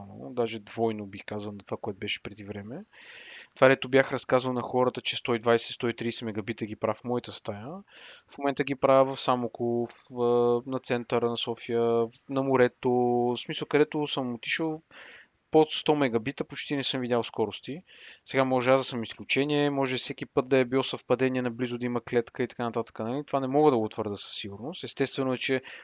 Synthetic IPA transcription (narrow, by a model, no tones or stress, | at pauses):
no̰d̪aʒɛd̪vɔjnobixkazəlˠnɐt̪ovakoɛt̪ʊbɛʃɛ̥pɾɛd̪ivɾɛmɛ | t̪ovad̪ɛt̪ʊbjaxɾɐskazəlˠnɐxɔɾət̪ət͡ʃɛst̪ɔid̪vajsɛst̪ɔit̪ɾiːsɛmɛɡɐbit̪əɡipɾafmɔit̪əst̪ajəfmomɛnt̪əɡʲipɾaəvɐfsamokʊfənɐt̪sɛnt̪əɾənɐsɔfijənɐmʊɾɛt̪osmisəlˠkɐd̪ɛt̪ʊsəmot̪iʃəlˠ | pot̪st̪ɔmɛɡɐbit̪əpot͡ʃt̪inɛsɤmvid̪ʲalˠskɔɾʊst̪i | sɛɡamɔʒɛazɐsəmisklʲut͡ʃɛnʲiɛmɔʒɛbisɛk̟ipɤt̪̚d̪ɐɛbilˠɔsɐfpɐd̪ɛniɛnɐblizʊd̪ɐimɐklɛt̪kəit̪ɐkanɐt̪at̪ə̥kənɐlit̪ovanɛmɔɡəd̪ɐɡot̪vəɾd̪əsə̥sːiɡuɾnʊst̪ɛst̪ɛst̪vɛnʊɛt͡ʃɛ